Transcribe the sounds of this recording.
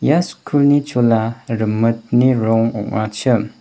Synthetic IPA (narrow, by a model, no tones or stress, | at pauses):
jaskʰulnit͡ʃolaɾɯmɯt̚niɾɔŋɔ̰ʔat͡ʃɯm